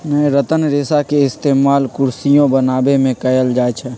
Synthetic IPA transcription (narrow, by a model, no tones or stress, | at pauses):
nəeɾət̪ənɾeːsakeɪst̪eːmaːlkʊɾsijõbənaːbemẽkɐjəld͡ʒaːt͡ʃʰɛ